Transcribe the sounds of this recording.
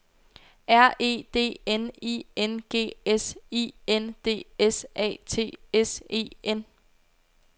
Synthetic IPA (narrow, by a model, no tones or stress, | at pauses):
æɐ̰e̝̰ːd̥e̝̰ːenḭːenɡ̥e̝̰ːesiːend̥e̝̰ːesɛ̰ːt͡sʰe̝̰ːese̝̰ːen